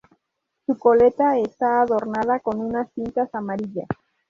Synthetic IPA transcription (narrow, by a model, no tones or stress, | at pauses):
suko̞le̞t̪aest̪aːðo̞ɾnaðako̞nunasθint̪asamaɾiʎas